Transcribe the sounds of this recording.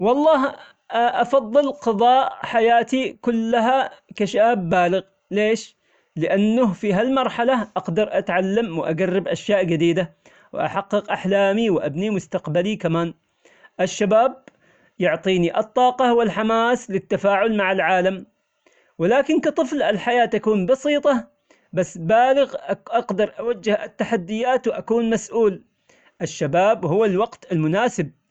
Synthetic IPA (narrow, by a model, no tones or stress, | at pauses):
wɑlˤːɑːɦ | ʔɑfɑðˤːɨlqɑðˤɑːʔħajaːt̪ikʊlːaɦakaʃaːbːaːlɪɣ | leːʃ | lɪʔanːʊhfiɦalmɑɾˤħalaʔɑqd̪ɑɾˤʔat̪ʕalːamwɪʔaɡarːɪbʔaʃjaːʔd͡ʒɪd̪iːd̪a | w̰ʔa̰ħɑqːɨqʔaħlaːmiwʔa̰bnimʊst̪aqbalikamaːn | ʔɪʃːabaːb̚ | jʊʕt̪ˤiːniʔɨt̪ˤːɑːqɑwɪlħamaːslɪt̪ːafaːʕʊlmaʕɪlʕaːlam | wɪlaːkɪnkɑt̪ˤɨflɪlħajaːt̪akuːnbɑsiːt̪ˤɑ | basːbaːlɪɣʔʔɑqd̪ɑɾˤʔawad͡ʒːɪhʔɪt̪ːaħad̪ːɪjaːt̪wʔakuːnmasʔuːl | ʔɪʃːabaːbhʊwːalwɑɡt̪ɪlmʊnaːsɪb̚